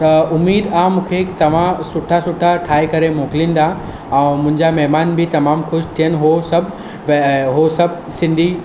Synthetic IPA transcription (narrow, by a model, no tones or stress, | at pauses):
t̪ɐʊmiːd̪aːmũːkʰet̪ɐʋ̤ãsʊʈʰasʊʈʰaʈʰaːekɐɾemoːkɪlĩːn̆d̪a | ɛ̃ːmʊ̃ɦɪ̃ɲd͡ʑamɛɦmaːnbɪt̪ɐmaːmxʊʃt̪ʰijənɪ̆ɦosɐbʱ | ʋɦosɐbʱ | sɪ̃nd̪ʱi